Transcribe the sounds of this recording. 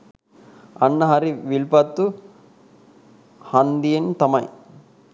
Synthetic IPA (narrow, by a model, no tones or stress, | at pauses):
ɐnːɐɦɐɾiʋilpɐt̪ːu | hɐnd̪ijent̪ɐmɐj̰